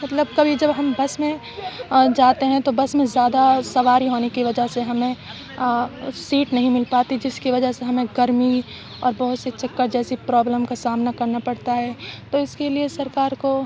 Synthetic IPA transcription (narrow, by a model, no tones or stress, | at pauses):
mɐt̪ləb̚kɐbʱid͡ʒɐbɦɐmbɐsmẽ | d͡ʒaːt̪eɦɛ̃t̪obɐsmẽzjaːd̪asɐʋaːɾiɦoːnekiʋɐd͡ʒəɦseɦɐmẽ | siːʈnɐɦĩmɪlpaːt̪id͡ʒɪskiʋɐd͡ʒəɦseɦɐmẽɡɐɾmi | ɔːɾbɐɦʊt̪set͡ʃɐkːəɾd͡ʒɛːsipɾɔːbləmkasaːmnakɐɾnapɐɽt̪aɦɛːt̪oɪskeliesɐɾkaːɾko